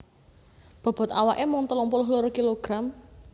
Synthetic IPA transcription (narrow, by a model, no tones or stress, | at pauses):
b̥ɔ̤b̥ɔ̤t̪awaʔemɔŋt̪əlɔŋpulʊɦloɾokiloɡ̥ɾam